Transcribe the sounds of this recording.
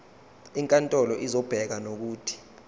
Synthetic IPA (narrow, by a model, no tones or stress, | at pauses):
iŋkʼantʼɔlɔʔizɔb̥ʱɛk̬anok̬uːtʰi̥